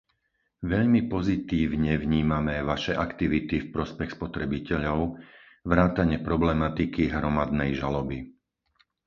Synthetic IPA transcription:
ʋɛʎmipɔzit̪iːʋɲɛʋɲiːmamɛʋaʃɛʔakt̪iʋit̪ifpɾɔspɛxspɔt̪ɾɛbicɛʎɔʊ | ʋɾaːt̪aɲɪɛpɾɔblɛmat̪ikiɦɾɔmad̪nɛjʒalɔbi

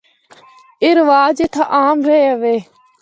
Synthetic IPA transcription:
ɪɾʋaːd͡ʒeːt̪ʰaːʔaːmɾeeəʋeː

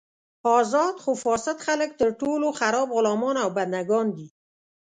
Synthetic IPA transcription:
ɑzɑd̪xofɑsɪt̪xalək̚t̪əɾʈoloxaɾɑbɣʊlɑmɑnawband̪aɡɑnd̪i

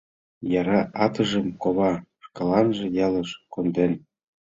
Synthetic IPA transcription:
jɑɾɑʔɑt̪əʒəmkoβɑʃkɑlɑnʒĕjɑləʃkond̪en

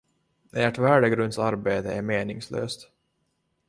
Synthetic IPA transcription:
ɛæʈvæːɖəɡɾɵnd̪saɾbeːt̪əæɾmeːnɪŋslø̰ːst̪

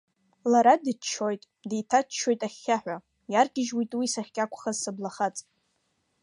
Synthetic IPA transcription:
laɾadɨt͡ʃʰojtʼ | dejtʰat͡ʃʰo̞jtʼaχʲːaħᶣʷa | jarɡʲɪʒwitʼwisaχʲkʲʼakʷʰʼχazsablaχat͡sʼ

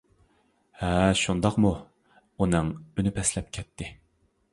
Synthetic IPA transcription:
hɛʃund̪ɑqmu | unɨŋynypʰɛslɛp̚kʲʰɛt̪ʰːɪ

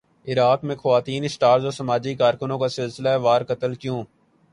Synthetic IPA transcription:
ɪɾaːkmẽxɐʋaːt̪iːnɪsʈaːɾzoːsəmaːd͡ʒikaːɾkʊnõkasɪlsɪlaɛʋaːɾkət̪əlkjõː

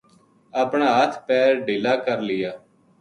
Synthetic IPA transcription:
əpɳaːɦət̪ʰpɛːɾɖɪːlaːkəɾlɪjaː

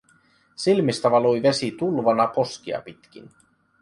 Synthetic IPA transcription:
silmist̪ɑʋɑlojʋe̞sit̪ulʋɑnɑpo̞sk̟iɑ̰pit̪k̟ḭn

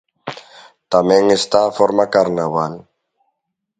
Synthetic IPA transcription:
t̪amẽŋest̪aːfoɾmakaɾnaβal

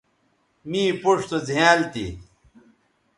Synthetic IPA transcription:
mĩːpuʂt̪ozjaːlt̪ḭ

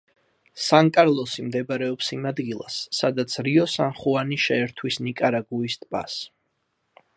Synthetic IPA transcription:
saŋkʼaɾlˠɔsimd̪ɛbaɾɛɔpsimad̪ɡilˠa̰sːad̪at̪sʰɾiɔsanχuaniʃɛːɾt̪ʰwisnikʼaɾaɡuist̪ʼpʼa̰s

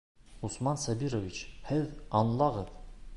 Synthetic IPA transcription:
usmɑnsæbiɾovʲit͡ɕhɘðɑnlˠɑʁɤð

